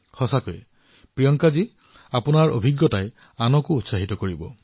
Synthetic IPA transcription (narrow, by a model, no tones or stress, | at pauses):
hɔsakɔjḛ | pɹijɔŋkad͡ʒi | apunaɹo̰bʱiɡjɔtae | anɔkuːtsaɦit̪ɔkoɹibɔ̰